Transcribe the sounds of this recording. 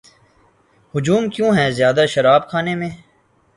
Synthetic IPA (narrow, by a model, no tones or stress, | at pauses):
hʊd͡ʒuːmkjõːɦɛːzjaːd̪aʃɐɾaːbkʰaːnẽmẽː